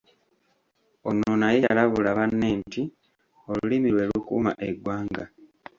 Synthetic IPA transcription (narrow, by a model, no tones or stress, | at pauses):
o̞nonajejalaβulaβanːeːnti | o̞lulimilwe̞ːlukṵːma̰ʔeɡwaːŋɡa